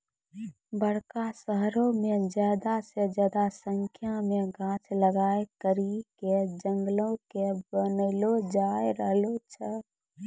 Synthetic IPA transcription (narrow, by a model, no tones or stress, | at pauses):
bəɽkasəɦɾõmẽd͡ʒjaːd̪ased͡ʒjaːd̪asəŋkʰjamẽɡʱãːt͡ʃʰləɡaːekəɾiked͡ʒəŋɡlõkebənəlod͡ʒaːeɾəɦlot͡ʃʰə